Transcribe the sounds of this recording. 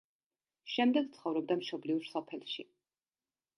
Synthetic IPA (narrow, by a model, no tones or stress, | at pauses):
ʃɛmd̪ɛɡ̚t̪sʰχɔvɾɔb̚d̪amʃɔbliuɾsɔpʰɛlʃi